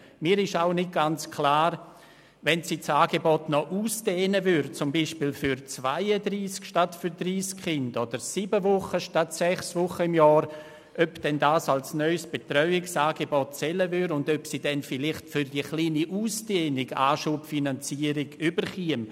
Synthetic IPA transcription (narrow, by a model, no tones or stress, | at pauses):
miːɾɪʃaʊnɪt̚ɡ̥ant͡skʰlaːɾ | vɛnsiːt͡saːɡebɔtnɔʔuːsd̥eːnəvʏɾt͡sʊmbiːʃpilfyɾt͡svaɪədɾiːskʃtatfyɾdriːskχɪndɔd̥əɾsiːbəvʊχəʃtatsɛχsvʊχəɪmjɔːɾ | ʔœpd̥ɛndaːsalsnœʏsb̥etrœʏɪksaːɡebɔtt͡sɛləvʏɾʊndœpsiːdɛnfilɪχtfyɾdiəχliːniʔuːsd̥eːnɪɡaːʃupfinant͡siəɾɪɡ̥ybəɾχiəm